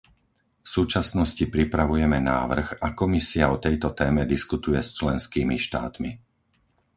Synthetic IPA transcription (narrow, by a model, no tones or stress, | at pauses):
fsuːt͡ʃasnɔscipɾipɾaʋujɛmɛna̰ːʋr̩xakɔmisiaɔt̪ɛjt̪ɔt̪ɛːmɛd̪iskut̪ujɛst͡ʃlɛnskiːmiʃt̪a̰ːt̪mi